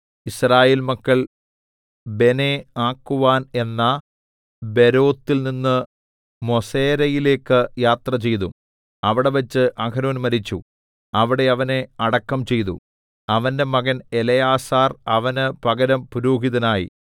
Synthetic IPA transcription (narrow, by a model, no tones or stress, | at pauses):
israːjeːlmɐkːɐɭ | be̞neaːkːuʋaːne̞nːɐ | be̞ɾo̞ːt̪ːilninːɨ | mo̞seːɾɐjile̞ːkːɨjaːt̪rɐt͡ɕe̞jt̪ṵ | ɐʋiɽe̞ʋɐt͡ɕːɨʔɐkɐnoːnmɐɾit͡ɕːu | ɐʋiɽe̞ɐʋɐneɐɽɐkːɐmt͡ɕe̞jt̪ṵ | ɐʋɐnde̞mɐɣɐnelɐjaːsaːrɐʋɐnɨpɐɡɐɾɐmpuɾuːɦiðɐnaːjḭ